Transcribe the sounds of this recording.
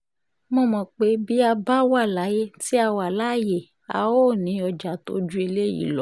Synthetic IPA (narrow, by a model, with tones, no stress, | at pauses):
mo˧˦˨mɔ̃˨k͡pe˨˦bi˦a˧ba˦wa˦˨la˨˦je˦ti˦a˧wa˨la˦˨je˨ | a̰˨˧wo˦˨nĩ˨˦ɔ˧d͡ʒa˨to̰˦d͡ʒu˦e˧le˦jḭ˨˦lɔ˨˦